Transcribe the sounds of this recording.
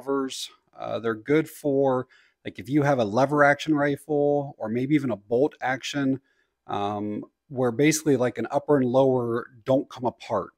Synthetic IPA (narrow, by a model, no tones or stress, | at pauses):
və˞z̥ | ʌ̰ðə˞ɡʊd̥fə˞ | laɪkɨfjɨːvəlɛvə˞ækʃɨ̃nɹaɪtfl̩ˠə˞meɪbiivɨ̃ñəboʊlˠtækʃɨ̃n | ʔʌ̃m | wə˞beɪsɪ̥klilaɪkɨ̃nʌpə˞ɨ̃nloʊə˞dõʊ̃nkʰʌ̃məpʰɑɹt̚